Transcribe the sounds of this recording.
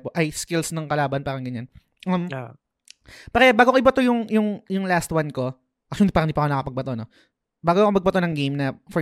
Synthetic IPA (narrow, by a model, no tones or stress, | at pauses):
poʔɐjskɪlsnɐŋkɐlaːbɐnpaːɾɐŋɡɐɲan | ʔɐm | pɐɾɛbaːɡokɐʔɪbɐt̪ojʊŋjʊŋjʊŋlast̪wɐnko̞ | ʔɐk̚ʃond̪ipaɾɐnd̪ipɐkonɐkɐpɐɡ̚bɐt̪ono | baːɡokɐmɐɡ̚bɐt̪onɐŋɡejmnɐfɔ